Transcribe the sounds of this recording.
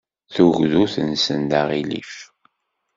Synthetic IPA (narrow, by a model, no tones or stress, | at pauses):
θuɣðuθənsənd̪aʁilḭf